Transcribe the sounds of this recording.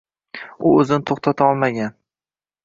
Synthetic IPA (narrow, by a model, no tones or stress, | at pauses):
ʊɵzɪnɪt̪ʰoχt̪ʰat̪ʰaɒlˠmaɡʲan